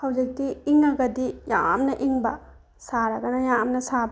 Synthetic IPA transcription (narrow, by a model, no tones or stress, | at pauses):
hɐwd͡ʒɐk̚t̪iiŋakɐd̪ija̰ːmnɐʔiŋba | saːɾakɐnɐjaːmnɐsaːb